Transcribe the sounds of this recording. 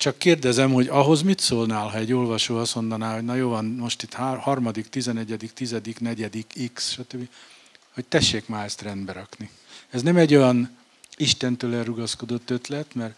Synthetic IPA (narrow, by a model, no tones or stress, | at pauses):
t͡ʃɒkːeːrd̪ɛzɛmho̞ɟɒɦo̞zmit̪soːlnaːlɦɒɛɟːoːlvɒʃoːɒst̪mo̞nd̪ɒnaːɦo̞ɟnɒjoːvɒnmo̞ʃt̪it̪hhɒrmɒd̪ikt̪izɛnɛɟɛd̪ikt̪izɛd̪iknɛɟɛd̪ikiksʃɒt̪øbːi | hoc̚t̪ɛʃːeːkmaːɛst̪rɛnd̪bɛɾɒkni | ɛznɛmɛɟːo̞jɒn | iʃt̪ɛnt̪øːlɛrːuɡɒsko̞d̪o̞t̪ːø̞t̪lɛt̪mɛr